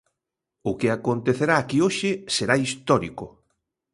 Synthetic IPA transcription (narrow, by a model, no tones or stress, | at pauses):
ʊkɪakont̪eθeɾaːkioʃɪseɾaist̪ɔɾikʊ